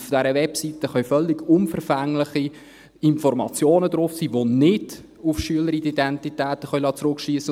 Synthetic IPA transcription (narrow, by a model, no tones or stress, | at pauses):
fd̥ɛɾəʋɛpsitəχœɥfœlːɪɡ̥ʊnfəɾfæŋlɪχi | ɪnfɔɾmɑ̰t͡sjoːnəd̪ɾʊfsiːʋonɪd̥ | ʊfʃyələɾidid̪ɛntitæːt̪əχœɥlɑːt͡sɾʊkʃiəsːə